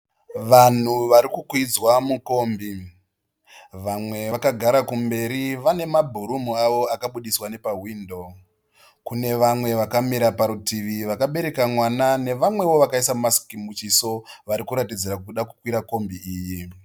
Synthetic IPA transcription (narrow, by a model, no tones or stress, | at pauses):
ʋan̤uʋaɾikukwid͡zwamuko̞ːmbi | ʋamwe̞akaɡʱaɾakumbe̞ɾiʋane̞mabʱuɾumuaʋo̞akaɓuɗiswane̞paɦwiːndo̞ | kune̞ʋamwe̞ʋakamiɾapaɾutiʋiʋakaɓe̞ɾe̞kamwanane̞ʋamwe̞wo̞ʋakaisamasi̥kimbut͡ʃiso̞ʋaɾikuɾatid͡ziɾakuuɗakukwiɾako̞mbiiːji